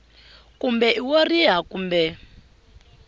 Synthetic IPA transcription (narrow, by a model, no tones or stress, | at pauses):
kumbɛʔiwɔriɦakumbɛ